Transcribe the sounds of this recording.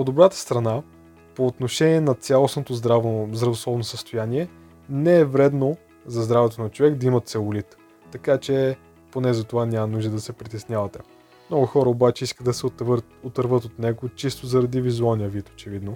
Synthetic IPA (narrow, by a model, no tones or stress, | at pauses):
od̪obɾat̪ə̥st̪ɾɐna | poːt̪noʃɛnʲiɛnɐt̪sʲalˠosnot̪ozd̪ɾavzd̪ɾɐvoslˠɔvnosəst̪ojaniɛ | nɛɛvɾɛd̪no | zɐzd̪ɾavɛt̪onɐt͡ʃovɛkd̪ɐimɐt̪sɛlˠʊlit̪ː | ɐkat͡ʃɛ | ponɛzɐt̪ovanʲamɐnuʒd̪əd̪ɐsɛpɾit̪ɛsnʲjavɐt̪ɛ | mnɔɡʊxɔɾəobat͡ʃɛiskət̪d̪ɐsɛv | ot̪əɾvɤt̪ot̪nɛɡot͡ʃist̪ozɐɾɐd̪ivizualˠnijəvit̪o̥t͡ʃɛvid̪no